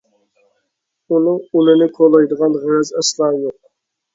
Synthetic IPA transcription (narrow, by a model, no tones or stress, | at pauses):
unɨŋulɨnɨkʰolˠɑjd̪əʁɑnʁɾɛzɛslˠɑːjoq̚